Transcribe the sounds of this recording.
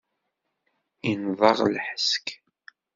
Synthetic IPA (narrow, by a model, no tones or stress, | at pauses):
invˤɑʁlħə̥sk